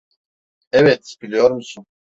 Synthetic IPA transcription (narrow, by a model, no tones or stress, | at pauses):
ɛvɛt̪b̥ilʲijoɾmusun